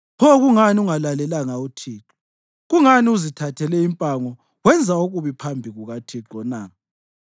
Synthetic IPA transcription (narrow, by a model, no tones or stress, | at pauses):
pʰɔɣuŋaniuŋalalɛlaŋautʰiːǁɔ | ɣuŋaniuzitʰatʰɛlɛimpʼaŋɔ | wɛnd͡zʱaoɣuβipʰambʱiɣuɣatʰiǁɔna